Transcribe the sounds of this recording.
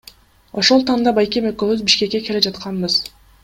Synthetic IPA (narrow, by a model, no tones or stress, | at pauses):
o̞ʃo̞lˠt̪ʰɑnd̪ɑbɑjkemøkøβyzbiʃke̞kːe̞kʰeled͡ʒɑt̪qʰɑnbɯz